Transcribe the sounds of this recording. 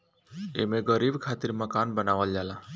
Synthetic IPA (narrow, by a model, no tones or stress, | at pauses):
ḛmẽɡəɾiːbkʰat̪iɾməkanbənaʋəld͡ʒala